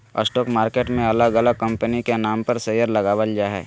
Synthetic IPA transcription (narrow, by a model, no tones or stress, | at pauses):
ə̰sʈɔːkmaːɾkeːʈmẽɐləɡɐləɡ̚kɐ̃mpənikenaːmpɐɾseːjəɾlɐɡaːʋəld͡ʒaɦɛ̰ː